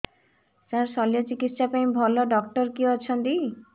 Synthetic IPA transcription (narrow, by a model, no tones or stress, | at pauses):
saɾsɔlijɔt͡ʃikit̪ʃapaj̃bʱɔlɔɖɔk̚ʈɔɾkiɔt͡ʃʰɔnt̪i